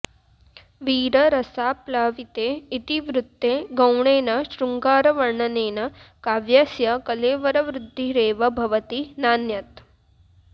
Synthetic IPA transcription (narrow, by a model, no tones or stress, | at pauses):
ʋiːɾɐɾɐsaːplaːʋit̪eːit̪iʋɾut̪ːeːɡɐwɳeːnɐʃɾuŋɡaːɾɐʋɐɾɳɐneːnɐkaːʋjaːsjɐkɐleːʋɐɾɐʋɾud̪ʱːiɾeːʋɐbʱɐʋɐt̪inaːnjɐt̪